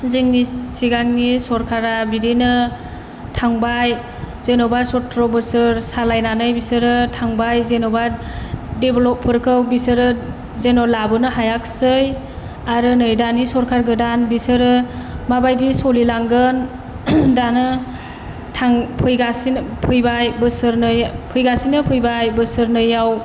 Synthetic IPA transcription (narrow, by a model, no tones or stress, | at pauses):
zeŋnisiɡaŋnisɔɾkʰaɾabidinɯ | tʰaŋbaj | z̥enɔbaɾsɔtɾɔbɯsɯɾsalajnanɯjbisɯɾɯtʰaŋbajzenɔbaɾ | deblɔpʰːɯɾkʰɯwbisɯɾɯ | zenɔlabɯnɯɦajak̚sɯj | aɾɯnɯjdanisɔɾkʰaɾɡɯdanbisɯɾɯmabajdisɔlilaŋɡɯn | danɯ | tʰaŋpʰɯjɡasinpʰɯjbajbɯsɯɾnɯjpʰɯjɡasinɯpʰɯjbajbɯsɯɾnɯjaw